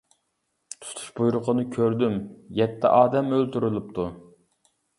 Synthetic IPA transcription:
t̪ʰu̥t̪ʰu̥ʃbujɾʊqʰənɨkʲʰøɾd̪ymjɛt̪ʰːɛ̰ʔɑːd̪ɛmølt̪yɾylˠup̚t̪ʰu

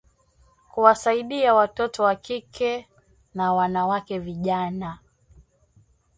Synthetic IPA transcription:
kuwasaiɗiawatɔtɔwakikʰɛ | nawanawakɛviʄana

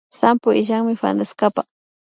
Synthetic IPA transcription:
sampʊɪʒaŋmɪfa̰nd̪askapa

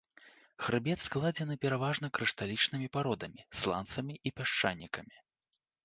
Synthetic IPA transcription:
xɾɨbʲɛt̪sklˠad͡zʲɛnɨpʲɛɾavaʐnɐkɾɨʂt̪alʲit͡ʂnɨmʲipaɾɔd̪ɐmʲislˠa̰nt̪sɐmʲiʔipʲaʂt͡ʂa̰nʲːikɐmʲi

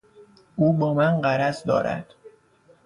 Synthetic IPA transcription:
uːbɒːmænɢæɾæzd̪ɒ̰ːɾæ̰d̪̥

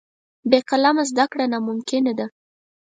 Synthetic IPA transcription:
beqalamazd̪akɽanamʊmkɪnad̪a

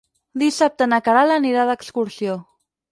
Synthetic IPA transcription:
d̪isap̚t̪ənəkaɾaləniɾaðəːkskuɾsio

